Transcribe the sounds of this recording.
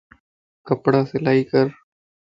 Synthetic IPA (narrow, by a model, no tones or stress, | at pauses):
kəpɽaselaːikəɾ